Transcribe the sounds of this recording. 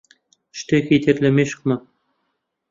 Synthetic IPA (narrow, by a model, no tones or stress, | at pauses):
ʃt̪exʲet̪eɾlʲĕmeʃ̆kmɑ